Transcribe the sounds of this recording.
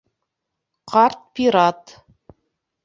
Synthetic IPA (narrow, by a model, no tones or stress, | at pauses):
qɑrt̪̚pʲiɾɑt̪